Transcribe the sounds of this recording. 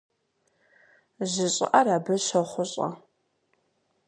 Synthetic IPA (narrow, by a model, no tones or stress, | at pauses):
ʑɪɕʼɪ̰ʔɐɾaːbɨɕɐχʷʊɕʼɐ̰